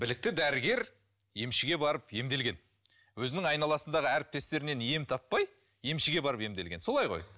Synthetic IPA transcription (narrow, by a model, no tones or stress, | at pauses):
bɪlɪk̚t̪ɪd̪æɾɪɡʲe̞ɾ | je̞mʃɪɡʲe̞bɑɾəpje̞md̪e̞lɡʲe̞n | wɵzɪnɪŋɑjnɑlˠɑsənd̪ɑʁəæɾɪp̚t̪e̞st̪e̞ɾɪne̞nje̞mt̪ʰɑpːɑj | je̞mʃɪɡʲe̞bɑɾəpe̞md̪e̞lɡʲe̞nso̞lˠɑjʁo̞̰j